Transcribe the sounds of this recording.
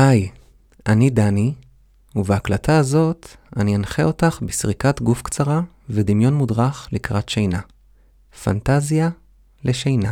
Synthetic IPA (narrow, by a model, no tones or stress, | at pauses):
haj | ʔanidani | uveaklatʰaːzo̞tanianχeo̞taχbisʁikatɡufkt͡saʁa | vedimjo̞nmudʁaχlikʁatʃejna | fa̰ntazija | leʃejna